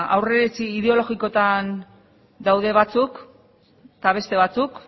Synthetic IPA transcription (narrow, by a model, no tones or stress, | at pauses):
awre̞ɾet͡siːðe̞o̞lo̞ɣiko̞t̪an | d̪awðe̞βat͡suk | t̪aβ̞e̞st̪e̞β̞at͡suk